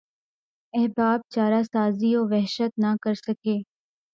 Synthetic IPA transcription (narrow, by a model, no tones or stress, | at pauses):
ɛɦbaːb̚t͡ʃaːɾasaːzioːʋɛɦʃət̪nakəɾsəkeː